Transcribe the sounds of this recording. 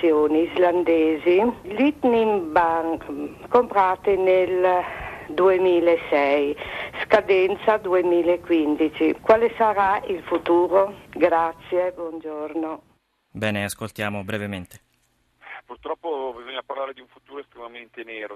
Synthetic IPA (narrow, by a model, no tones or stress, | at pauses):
joːniːzland̪eːzilit̪nimbaŋk | kompɾaːt̪enel | d̪uemiːlesɛjskad̪ɛnt̪sad̪uemiːlekːwind̪it͡ʃikwalesaɾailfut̪uːɾoɡɾat̪sjebwɔnd͡ʒoɾno | bɛːneaskolt̪jaːmobɾɛvement̪e̥ | ɛpurt̪ɾɔpːobizoɲːaparlaːɾed̪iuɱfut̪uːɾoest̪ɾemament̪eneːɾo